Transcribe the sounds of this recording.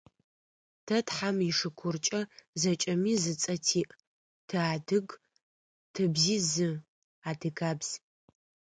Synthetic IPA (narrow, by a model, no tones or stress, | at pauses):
tʰɐtħamiʂɨkʷʰʊrt͡ʃʼɐzɐt͡ʃʼɐmiːzɨt͡sʼɐtʰiːʔʼ | tʰɨaːdɨɡ | tʰɨbziːzɨ | aːdɨɡaːbz̥